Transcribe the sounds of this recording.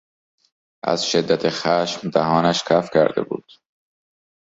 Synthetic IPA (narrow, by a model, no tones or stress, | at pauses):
ʔæ̰z̥ʃed̪ːæt̪ʰexæːʃmd̪æɦɒːnæʃkʰæfcʰæ̰ɾd̪ḛbṵːd̪̥